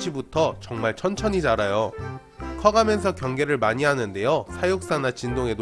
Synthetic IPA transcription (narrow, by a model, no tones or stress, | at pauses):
ɕʰibutʰʌt͡ɕʌŋmaɭt͡ɕʰʌnt͡ɕʰʌɲid͡ʑaɾajo | kʰʌɡamjʌnsʰʌkjʌŋɡe̞ɾɯɭmaɲiɦanɯnde̞josʰajok̚s͈anat͡ɕindoŋe̞d